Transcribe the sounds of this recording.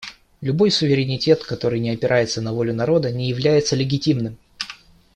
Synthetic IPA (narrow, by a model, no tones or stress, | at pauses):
lʲʊbo̞jsʊvʲɪɾʲɪnʲɪtʲe̞t̪kɐt̪o̞ɾɨjnʲɪɐpʲɪɾʔajɪt̪sənɐvo̞lʲʊnɐɾo̞d̪ənʲɪjɪvlʲæjɪt̪səlʲɪɡʲɪtʲimnɨm